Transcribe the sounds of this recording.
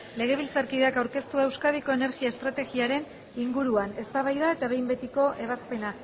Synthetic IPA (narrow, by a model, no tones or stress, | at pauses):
le̞ɣ̞e̞β̞ilt͡saɾkiðeakawɾke̞st̪uae̞wskað̞iko̞e̞ne̞ɾɣiae̞st̪ɾat̪e̞ɣiaɾe̞n | iŋɡuɾuane̞st̪aβajðae̞t̪aβejmbe̞t̪iko̞ʔe̞β̞aspe̞nak